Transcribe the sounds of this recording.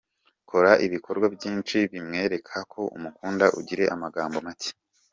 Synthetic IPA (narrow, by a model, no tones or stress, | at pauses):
kʰo̞ɾaʔiβikʰo̞ɾɡwabjiːnt͡ʃiβimŋe̞ːɾe̞kʰakʰo̞ṵmukuːndaʔuɟiɾe̞ʔamaɡaːmbo̞mace̥